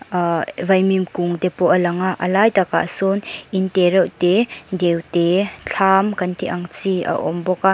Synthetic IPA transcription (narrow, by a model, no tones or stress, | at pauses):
vɐjmimkuŋt̪ɛpɔʔɐlɐŋaʔɐ̰lajt̪aka̰ʔsunʔint̪ɛɾɛwt̪ɛdɛwt̪ɛt͡ɬʰaːmkɐnt̪iʔaŋt͡siʔa̰ʔɔmbɔkaʔ